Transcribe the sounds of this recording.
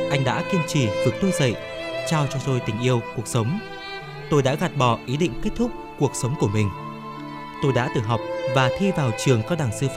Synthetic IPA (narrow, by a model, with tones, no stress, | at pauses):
ʔa˧jŋɗa̰ː˧˥ki˧əmt͡ɕi˧˩vɨ˨˩k̚t̪u˧zə̰˧˨j | t͡ɕaː˧wt͡ɕɔ˧t̪o˧jt̪ï˨˩ŋ̟ʔi˧əwku˨˩ək̚sə˨˦wŋ͡m | t̪o˧jɗa̰ː˧˥ɣa˨˩t̚ɓɔ˧˩ʔi˨˦ɗḭ̈˧˨ŋke˦˥t̚t̪ʰʊ˦˥k͡p̚ku˨˩ək̚sə˨˦wŋ͡mku˧˩əmï˨˩ŋ̟ | t̪o˧jɗa̰ː˧˥t̪ɨ̰˧˨˩ɦɔ˨˩wk͡p̚vaː˨˩t̪ʰi˧vaː˨˩wt͡ɕɨ˨˩əŋkaː˧˥ɗaː˨˩ŋsɨ˧f